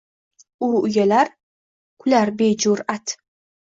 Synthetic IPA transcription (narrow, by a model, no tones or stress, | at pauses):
uʊjalaɾ | kʰʊlaɾbed͡ʒuɾat̪